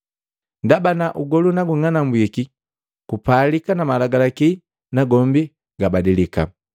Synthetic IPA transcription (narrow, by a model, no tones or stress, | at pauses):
ndabanaʔuɡɔlunaɡuŋanambwiki | kupalikanamalaɡalaki | naɡɔmbi | ɡabadilika̰